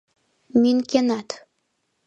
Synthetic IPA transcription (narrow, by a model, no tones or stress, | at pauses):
mynkenɑt̪